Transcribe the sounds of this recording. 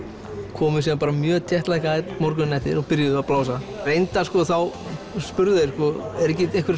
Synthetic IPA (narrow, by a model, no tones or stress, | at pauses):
kʰɔːmʏ̥sɛmpaːɾamjœːt̪ʰjɛht̪lajhkaɛmɔɾkʏnːɛjht̪ːɪ̰ɾɔpɪɾjaðʏaðplaːwsarejnt̪askɔθawspʏɾðʏðejɾ̥skɔɛɾɛhcɪeŋkvɛɾ